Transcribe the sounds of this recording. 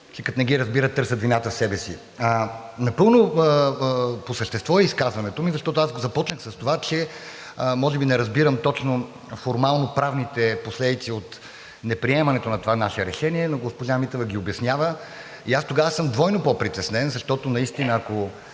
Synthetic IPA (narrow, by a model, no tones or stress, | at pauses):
t͡ʃɛkɐt̪nɛɡiɾɐzbiɾət̪ɤɾsət̪vinat̪əfsɛbɛsḭ | ənɐpɤəlˠno | posəʃt̪ɛst̪vɔɛiskazvɐnɛt̪omizɐʃt̪ɔt̪ʊazɡozɐpɔt͡ʃnəxsɐst̪ovat͡ʃɛ | mɔʒɛbinɛɾɐzbiɾəmt̪ɔt͡ʃno | foɾmalˠnopɾavnit̪ɛposlɛd̪it̪siot̪ | nɛpɾiɛmɐnɛt̪onɐt̪ovanaʃɛɾɛʃɛniɛnoɡospoʒamit̪əvəɡʲiobjɐsnʲjavə | iast̪oɡavəsɤmd̪vɔjnopopɾit̪ɛsnɛnzɐʃt̪ɔt̪onɐist̪inəːko